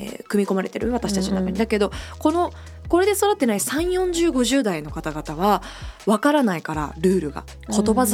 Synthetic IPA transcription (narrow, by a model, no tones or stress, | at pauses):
ḛkɯ̟mʲiko̞maɾe̞t̪e̞ɾɯ̟β̞at̪aɕi̥t̪at͡ɕinot̪akaɲ̟ʲid̪ake̞d̪o̞ko̞no̞ | ko̞ɾe̞d̪e̞so̞ɾat̪ːe̞naisãɰ̃jõ̞ɲ̟d͡ʑɨːɡo̞ʑɨːd̪aino̞kat̪aɡat̪aβ̞a | βakaɾanaikaɾa̰ɾɯ̟ːɾɯ̟ɡa̰ | kʰo̞t̪o̞baz